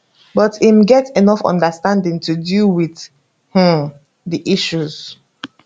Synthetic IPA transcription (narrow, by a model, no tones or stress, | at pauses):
bʌtimɡɛtenɔfɔ̰̃ndəstãndɪ̃ŋtʰudiwɪθ | h̩ | ðiʔiʃuz̥